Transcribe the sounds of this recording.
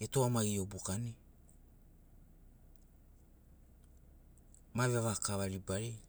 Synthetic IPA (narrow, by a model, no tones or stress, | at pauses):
etoamaɡio̞bukani | maβeβakaβaɾibaɾi